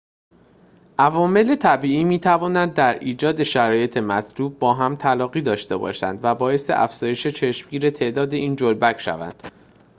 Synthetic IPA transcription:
ʔævɒːme̞le̞t̪ʰæbiːiːmiːt̪ʰævɒːnænd̪̚ːæɾiːd͡ʒɒːd̪e̞ʃæɾɒːje̞t̪ʰe̞mæt̪ʰluːb̚bɒːɦæmt̪ʰælɒːɣiːd̪ɒːʃt̪e̞bɒ̰ːʃænd̪væbɒːje̞st̪eʔæ̰fz̥ɒːje̞ʃe̞t͡ʃʰeʃmɟiːɾe̞t̪ʰeʔd̪ɒːd̪e̞ʔiːnd͡ʒolbæcʰʃæ̰væ̰nd̪̥

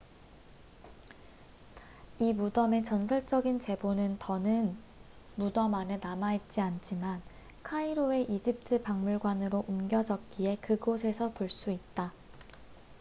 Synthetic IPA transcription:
imudʌme̞t͡ɕʌnsʰʌɭt͡ɕ͈ʌɡint͡ɕe̞bonɯntʌnɯn | mudʌmanɯnamait̚t͡ɕ͈iant͡ɕʰiman | kʰaiɾoe̞ʔid͡ʑip̚tʰɯpaŋmuɭɡwanɯɾoʔumɡjʌd͡ʑʌk̚k͈ie̞kɯɡosʰe̞sʰʌpoɭs͈uit̚t͈a

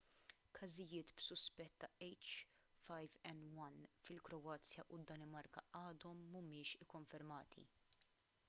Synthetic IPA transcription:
kʰɐzɪjɪːt̪bsʊspɛt̪ːɐɛjt͡ʃ | fɐjvɛnwɐnfɪlkɾɔɐːt͡sjɐʔud̪ːɐnɪmɐɾkɐʔɐːd̪ɔmːumɪːʃɪkːɔɱfɛɾmɐːt̪ʰḭ

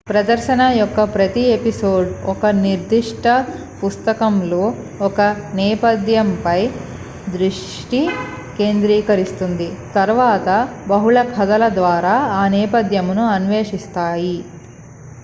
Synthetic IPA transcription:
pɾɐd̪ɐɾʃɐnɐjɔkːɐpɾɐt̪iepisoːɖɔkɐniɾd̪ʱiʂʈʰɐ | pust̪ɐkɐmlo̞ː | ɔkɐnɛːpɐd̪jɐmpɐj | d̪ɾiʂ | ʈi | ke̞ːnd̪ɾiːkɐɾist̪und̪it̪ɐɾʋaːt̪ɐbɐɦuɭɐkʰɐd̪ɐlɐd̪ʋaːɾaːaːnɛːpɐd̪jɐmnuɐnʋeːʂist̪aːji

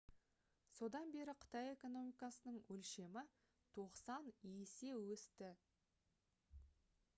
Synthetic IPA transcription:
so̞d̪ɑnbe̞ɾɪqʰə̥t̪ɑje̞ko̞no̞mijkɑsənəɴwɵlʃe̞mɪ | t̪ʰoqsɑnese̞wɵst̪ɪ

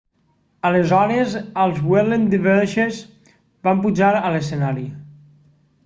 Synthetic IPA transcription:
əlezɔɾezəlˠzwelend̪iβɛɾʃez | bampuʒaɾələsenaɾi

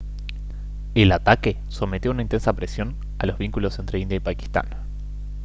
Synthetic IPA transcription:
elat̪ake̞ | so̞met̪jounaint̪ensapɾesjo̞n | alo̞zβiŋkulo̞sent̪ɾe̞ind̪jaipaki̥st̪a̰n

